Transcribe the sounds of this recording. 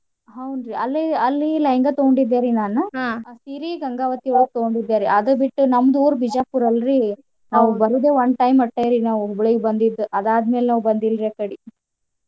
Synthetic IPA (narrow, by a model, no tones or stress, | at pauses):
ɦɐwnɾiɐlːiɐlːilɐjŋɡɐt̪oɡoɳɖid̪ːeːɾinaːnuãːsiɾiɡɐŋɡaːʋɐt̪iʋɐɭɡ̚t̪oɡoɳɖid̪ːeːɾiʔɐd̪ɐbiʈːunɐmːɐd̪uːɾubʱid͡ʒaːpuːɾɐlɾi | naːʋubɐɾuːd̪eːʋɐnd̪ʈɐjmɐʈːɐjɾinaːʋuɦubɭiɡebɐnd̪id̪ːuʔɐd̪aːd̪meːlenaːʋubɐnd̪ilɾekɐɽi